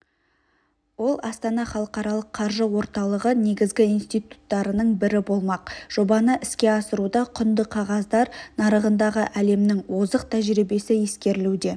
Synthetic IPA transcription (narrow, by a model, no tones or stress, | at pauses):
wo̞lˠɑ̰st̪ɑnɑχɑlˠəqɑɾɑlˠəqʰːɑɾʒəwo̞ɾt̪ɑlˠəʁəne̞ɡʲɪzɡʲɪijnst̪ijt̪u̥t̪ːɑɾənəɴbɪɾɪbo̞lˠmɑq̚ʒ̥o̞bɑnəʔɪskʲe̞ɑsəɾud̪ɑqʰʊnd̪əqʰɑʁɑzd̪ɑɾnɑɾəʁənd̪ɑʁəʔæle̞mnɪŋwo̞zəqt̪ʰæʒɾibe̞sɪje̞skʲe̞ɾɪlud̪e̞